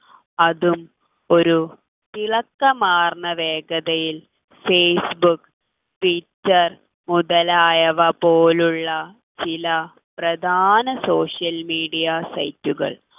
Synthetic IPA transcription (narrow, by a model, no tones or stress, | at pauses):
ɐðum | o̞ɾu | t̪iɭɐkːɐmaːrɳɐʋe̞ːɡɐðɐjil | feːsbukː | ʈʋitːɐr | muðɐlaːjɐʋɐpoːluɭːɐ | t͡ɕilɐ | prɐd̪ʱaːnɐso̞ːʂijɐlmiːɽijɐsɐ̰jtːuɣɐ̰ɭ